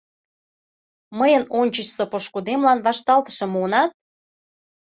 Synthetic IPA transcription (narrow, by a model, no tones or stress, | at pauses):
məjənonʲt͡ɕət͡ɕsopoʃkud̪emlɑnβɑʃt̪ɑlt̪ə̥ʃɤ̆munɑt̪̚